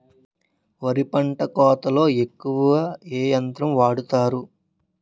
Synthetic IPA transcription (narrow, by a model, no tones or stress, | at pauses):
ʋɐɾipɐɳʈɐkɔːt̪ɐlo̞ːe̞kːuʋɐʋɐeːjɐnt̪ɾɐmʋaːɽut̪aːɾu